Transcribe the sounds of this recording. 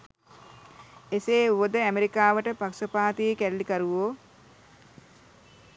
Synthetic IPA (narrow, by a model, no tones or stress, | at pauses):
eseːuʋəd̪əæmeɾikaːʋəʈəpaksəpaːt̪iːkælːikaɾuʋoː